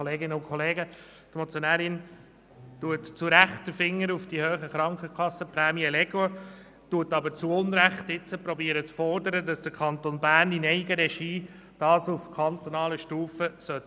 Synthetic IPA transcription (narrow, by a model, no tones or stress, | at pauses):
oleːɡɪnəʊnkχɔleːɡə | t̪mɔt͡sjonæːɾɪn | tuətt͡suɾæχtdəfɪŋːəɾufd̥ihøːχəχɾɑŋkχəkʰɑsːəpɾɛːmiɛlɛɡo | tuətːɑbəɾt͡suʊnɾæχtɪt͡səpɾɔbiːəɾət͡sfɔɾdəɾədɑsd̥əɾkʰɑnt̪onbæːɾninɛɪɡəɾɛʃiː | d̥ɑːsufkʰɑnt̪onɑːləʃtuːfəsœt